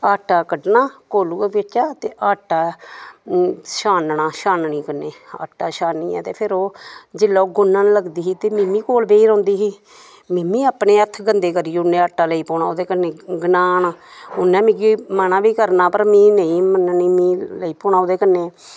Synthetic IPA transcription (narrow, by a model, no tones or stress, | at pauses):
aːʈaːkəɖnaːkoːluːpɪt͡ʃaːt̪eːʔaːʈaː | ʃaːnnaːʃaːnɳĩːkənːeːa̰ːʈːaːʃaːnːiːɛ̰ːt̪eːpʰɪɾoːd͡ʒɪlːaːoːɡʊnːaːnləɡd̪iːɦiːt̪eːmiːmĩːkoːlbeːiːɾõːnd̪iːɦiː | miːmĩːaːpneːət̪ʰɡənd̪eːkəɾiːʊnẽːaːʈːaːləiːpɔːnaːoːd̪eːkənẽːɡnaːnaːʊnːɛ̃ːmĩːɡimənãːʋiːkəɾnaːpəɾmĩːnẽĩːmənniːmĩːləiːpoːnaːoːd̪eːkənːeː